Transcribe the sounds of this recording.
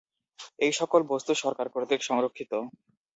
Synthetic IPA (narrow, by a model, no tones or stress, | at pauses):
ejʃɔkolbost̪uʃɔɾkaɾpɾod̪ikʃɔŋɾokʰːit̪o